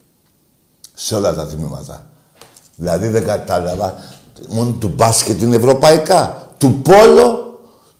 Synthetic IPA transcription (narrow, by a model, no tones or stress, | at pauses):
seo̞lɐt̪ɐt̪imimɐ̰t̪ɐ̰ | ðilɐðiðeŋɡat̪ɐlɐvɐ | mont̪ubasket̪ine̞vɾo̞pɐikat̪upo̞lo̞